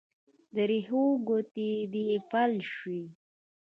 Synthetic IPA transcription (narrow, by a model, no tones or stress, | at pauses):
d̪əɾeɦoɡot̪id̪ipalʃwi